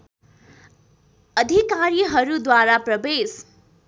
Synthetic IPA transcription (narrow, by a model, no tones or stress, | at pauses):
ʌd̪ʱikaɾiɦʌɾud̪waɾaprʌbes